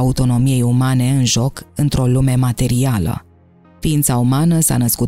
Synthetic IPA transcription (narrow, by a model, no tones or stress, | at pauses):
aut̪o̞no̞mije̞jumane̞ɨnʒo̞kɨnt̪ɾo̞lume̞mat̪e̞ɾialə̰ | fiint̪saumanəsa̰nəskut̪